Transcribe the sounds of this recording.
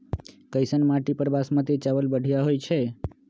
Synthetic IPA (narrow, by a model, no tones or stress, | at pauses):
kəjsənmaʈipəɾbasmãt̪et͡ʃəʋəlbəɽ̤ʱijaɦojt͡ʃʰe